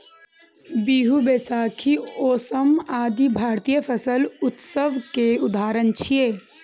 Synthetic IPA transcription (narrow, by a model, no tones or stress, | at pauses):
biɦubesaːkʰioːsəmaːd̪ibʱaːɾt̪ijəpʰəsəlʊt̪səʋkeʊd̪aːɾənt͡ʃʰije